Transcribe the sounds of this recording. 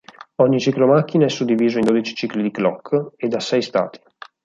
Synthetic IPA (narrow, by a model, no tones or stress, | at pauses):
ɔɲːit͡ʃiklomakːinaɛsːud̪ːiviːzoind̪oːd̪it͡ʃi̥t͡ʃiklid̪iklɔkʰːed̪ːasɛjst̪a̰ːt̪ʰi̥